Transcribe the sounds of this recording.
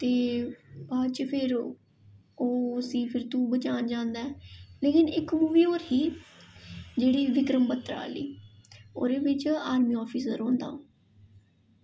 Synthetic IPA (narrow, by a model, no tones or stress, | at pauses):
t̪eːbaːt͡ʃpʰɪɾ | oːəsĩːpʰɪɾt̪ũːbət͡ʃaːd͡ʒãːnd̪aːɛːleːkɪnɪkmuːʋiːoːɾɦiː | d͡ʒeːɽiːʋɪkɾəmpət̪ɾa̰ːlḭːo̰ːɾeːʋɪt͡ʃaːɾmiːɔːpʰiːsəɾɦõːnd̪a̰ːoː